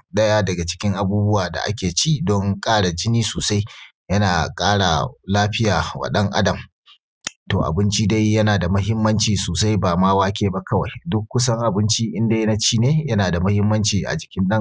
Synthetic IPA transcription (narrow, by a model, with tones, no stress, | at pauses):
ɗɐ˦jaː˦dɐ˨ɡa˨t͡ʃɪ̥˦kʲɪ˦ŋʔa˨buː˦bʊ˦waː˨da̰˨ʔa̰˦kʲeː˨t͡ʃi˦dɔ˦ŋkʼaː˦ɽa˨d͡ʒɪ˦niː˦soː˨sa˦j | jɐ˦naː˨kʼaː˦ɽa̰˨laː˦ɸɪ˦jaː˨wɐ̰˨ɗɐ˦ŋʔa̰˦dɐ˨m | to̰ː˨ʔa̰˨bɪ˦nt͡ʃi˦da˦jːɐ˦naː˨da˨mɐ˦ɦɪ˦mːɐ˦nt͡ʃiː˨soː˨sa˦jbaː˨maː˦waː˦kʲeː˨ba˦kɐ˦wa˨jdʊ˦kʷːʊ˦sɐ˦ŋʔa˨bɪ˦nt͡ʃi˦ʔɪ˦nda˦jna˦t͡ʃiː˦neː˦jɐ˦naː˨da˨mɐ˦hɪ˦mːɐ˦nt͡ʃiː˨ʔa̰˨d͡ʒɪ˨kʲɪ˦nɗɐ˦ŋ